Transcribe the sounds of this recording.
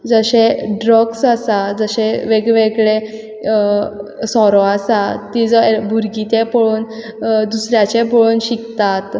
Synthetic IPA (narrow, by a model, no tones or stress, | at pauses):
d͡zəɕeɖɾɔɡsasad͡zəɕeʋeɡʋeɡɭe | sɔɾɔasat̪id͡zɔbʱuɾɡit̪epɔɭuːn | d̪usɾjat͡ɕepɔɭuːnɕikt̪at̪